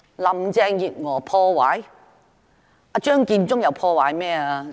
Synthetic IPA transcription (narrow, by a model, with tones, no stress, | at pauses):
lɐ˨˩mt͡sɛː˧ŋjiː˨t̚ŋɔː˨˩pʰɔː˧waː˨˥j | ʔa˧t͡ʃœː˥ŋkiː˧nt͡ʃʊ˥ŋjɐ˨˧wpʰɔː˧waː˨˦jmɛː˥˩a˧